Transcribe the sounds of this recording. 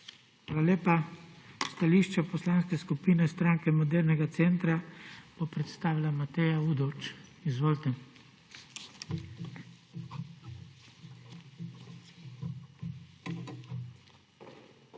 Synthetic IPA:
xʋaːlaleːpa | st̪aliʃt͡ʃapɔslaːnskɛskupiːnɛst̪ɾaŋkɛmɔd̪ɛɾnɛɡat̪sɛnt̪ɾab̥opɾɛt̪st̪aːʋilamat̪ɛjaud̪ɔwt͡ʃizʋoːlt̪ɛ

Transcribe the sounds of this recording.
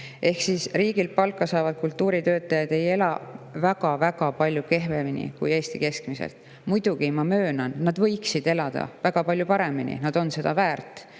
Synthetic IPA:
ʔe̞hksisriːɡ̥ilpɑlkːˑɑsɑːvɑd̪̥̚kult̪ːˑuːɾit̪ø̞ːt̪ːˑɑjɑd̪̥e̞je̞lɑ̰væɡɑvæɡɑpɑlʲjuke̞ɦveminḭkuje̞ːst̪ike̞skmisḛlt̪ˑ | mujd̪̥uɡ̥imɑmø̞ːnɑnːɑd̪̥vɤ̞jksid̪̥e̞lɑd̪̥ɑ̰væɡ̥ɑpɑlʲjupɑɾe̞minḭnɑd̪̥o̞nse̞d̪̥ɑvæːrt̪ːˑ

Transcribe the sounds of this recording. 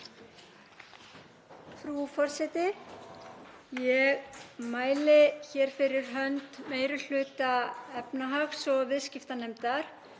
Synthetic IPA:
fɾufɔr̥sɛt̪ɪ | jɛɣmaːjlɪçɛɾ̥fɪɾɪɾ̥ɦœnt̪meːjɾʏl̥ʏːt̪aɛpnaɦaxsɔɣvɪðscɪft̪anejmt̪aɾ̥

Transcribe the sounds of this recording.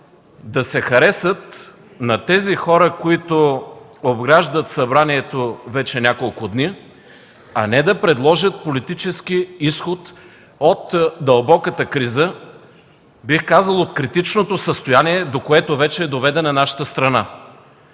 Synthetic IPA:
d̪ɐsɛxɐɾɛsət̪ | nɐt̪ɛzixɔɾəkoit̪ʊ | obɡɾaʒd̪ət̪sɐbɾaniɛt̪ovɛt͡ʃɛnʲakolˠkʊd̪ni | ɐnɛd̪ɐpɾɛd̪lˠɔʒət̪̚polit̪it͡ʃɛsk̟iisxot̪ | ot̪d̪ɐlˠbɔkət̪əkɾizə | bixkazəlˠot̪̚kɾit̪it͡ʃnot̪osəst̪ojaniɛd̪okoɛt̪ovɛt͡ʃɛːd̪ovɛd̪ɛnɐnaʃə̥t̪əst̪ɾɐna

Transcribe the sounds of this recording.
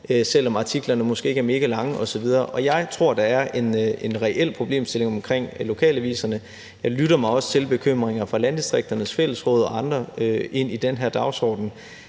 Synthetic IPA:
øsel̰ɒ̽mɑ̈t͡sʰiɡ̥lɐnəmɒ̽sɡ̥e̝̰ːæɐme̝ːɡ̥əlɑ̈ŋəʔɒ̽sɒ̽ʋið̞ˠɐːʔɒ̽jɑ̈ɪt͡sʰʁo̝ɐ̰d̥ɑ̈æɐʔe̝ne̝nʁɛʔel̰pʰʁo̝b̥le̝̰ːmsd̥e̝le̝ŋɒ̽mkʰʁeŋ̰lo̝kʰɛ̰ːlæʋḭːsɐnə | jɑ̈ɪlyɾɐmɑ̈ɪɒ̽sə̥t͡sʰe̝lb̥e̝kʰøm̰ʁeŋɐfʁɑ̈lænd̥isd̥ʁeɡ̥̚d̥ɐnəsfel̰əsʁɔ̽ːðˠɒ̽ɑ̈nd̥ʁɐe̝n̰id̥enɦeɐ̰d̥ɑ̈ʊsɒ̰ːd̥n̩

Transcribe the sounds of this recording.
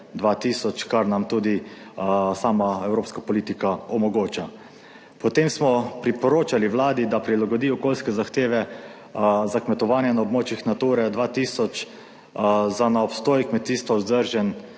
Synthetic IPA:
d̪ʋat̪iːsɔt͡ʃkaɾnamt̪uːd̪i | saːmaɛwɾoːpskapɔliːt̪ikaɔmɔɡoːt͡ʃa | pɔt̪emsmɔpɾipɔɾoːt͡ʃaliwlaːd̪id̪apɾilaɡɔd̪iːɔkoːlskɛzaxt̪eːʋɛ | zakmɛt̪ɔʋaːnjɛnaɔbmoːt͡ʃixnat̪uːɾɛd̪ʋaːt̪iːsɔt͡ʃ | zanaɔpst̪oːjkmɛt̪iːst̪ʋaʊzd̪əɾʒɛn

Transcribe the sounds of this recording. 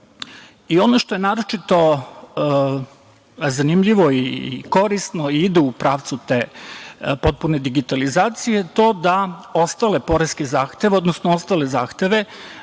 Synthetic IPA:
io̞no̞ʃt̪o̞je̞naːɾo̞t͡ʃit̪o̞ | zanimʎiʋo̞iko̞ɾisnoiid̪uupɾaːʋt̪sut̪e̞ | po̞t̪̚pune̞d̪iɡit̪alizaːt̪sijet̪o̞d̪ao̞st̪aːle̞po̞ɾeskezaːxt̪e̞ʋeod̪nosnoo̞st̪aːle̞zaːxt̪e̞ʋe̞

